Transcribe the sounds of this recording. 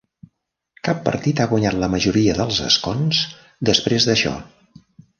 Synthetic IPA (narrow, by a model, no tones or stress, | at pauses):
kapːə̰ɾt̪it̪aɣwəɲat̪ləməʒuɾiəðəlˠzə̰skonz | d̪əspɾezðəʃɔ̰